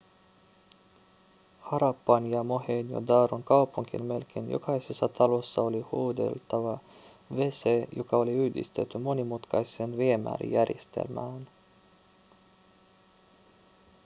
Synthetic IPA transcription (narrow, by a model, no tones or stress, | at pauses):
hɑɾɑpːɑnjɑmo̞heːnjo̰d̪ɑːɾuŋkɑwpuŋkḭnme̞lk̟ḛːnjo̞̰kɑjsesːɑt̪ɑlo̞sːɑo̞lihuːd̪e̞̰lt̪ɑʋɑ | ʋe̞sejokɑo̞liyhd̪ḭst̪e̞t̪ːymo̞nimut̪kɑjsenʋiemæ̰ːɾḭjæɾjest̪ḛlmæːn